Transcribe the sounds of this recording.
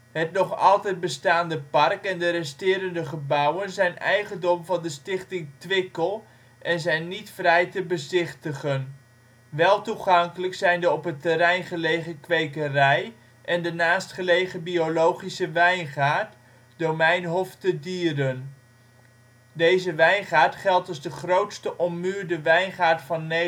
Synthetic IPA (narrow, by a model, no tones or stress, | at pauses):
ɦətnɔχɑ̰lˠtɛjd̚bəstaːndəpɑrkɛndəɾɛstɪːɾəndəχəbʌwənzɛjnɛ̰jχəndɔmvɑndəstɪχtɪŋtʋɪkəlˠ | ʔɛnzɛjnːitfrɛjtəbəzɪχtəχən | ʋɛlˠtuχɑŋkələksɛjndəɔpətəɾɛjnχəlejχəkʋejkərɛj | ʔɛndənaːstχəlejχəbiolowχisəʋɛjnχaːɹt | domɛjnɦɔftədiːrən | dejzəʋɛjnχaːɹtχɛlˠtɑzdəχrowtstəʔɔmːyːɹdəʋɛjnχaːɹtfɑnːe